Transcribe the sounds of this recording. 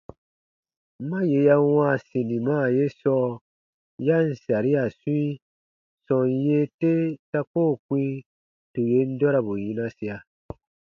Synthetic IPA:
m̩˦mã˦je˧ja˦wã˦˨sĩ˨nĩ˨mãː˦˨je˦sɔː˦ | ja˦n̩˨sa˨ɾi˦a˨sũ˦i˦ | sɔ̃˨nje˦te˦ta˦koː˦˨kʷĩ˦ | tu˨je˨˦n̩˦dɔ˦ɾa˨bu˨jĩ˦nã˦si˨a˨

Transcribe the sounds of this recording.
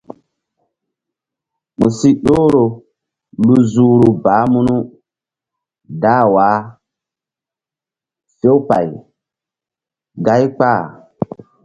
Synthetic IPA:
mũ˨si˦ɗoː˦ɾo˨ | lu˦zuː˨˦ɾu˨baː˨˦mu˦nu˦ | daː˦waː˨˦ | se˦wpa̰˨j | ɡa˦jk͡pa˦˨

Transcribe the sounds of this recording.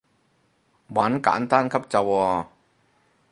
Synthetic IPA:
wa˨˥nka̰ː˨˥nt̪aː˥˨nkʰa˦˥p̚t͡ɕa˧wɔː˧˩

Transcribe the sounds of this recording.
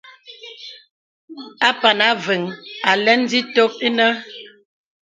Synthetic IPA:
a˦pa˨na˨˦və˨ŋa˨lɛ˦n˦di˦to˦k̚i˦nə˦

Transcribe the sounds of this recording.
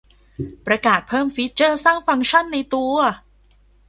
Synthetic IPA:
pɾa˧kaː˨˩t̪̚pʰɤː˥˩mfi˦˥t̪̚t͡ɕɤː˥˩saː˥˩ŋfa˧ŋt͡ɕʰa˥˩nːa˧jt̪u˧ɐ

